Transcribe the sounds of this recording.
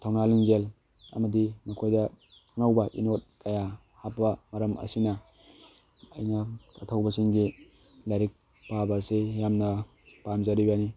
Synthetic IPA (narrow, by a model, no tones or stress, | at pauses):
tʰawnaliŋzel | ɐ̰mɐdimɐkʰojdɐ | tʰanawbɐʔinot̚kɐja | hap̚ːɐmɐɾɐmɐ̰sinɐ | ɐ̰jnɐkatʰawbɐsiŋɡi | laɾik̚ | pabaɾsejamnɐ | pamzaɾibani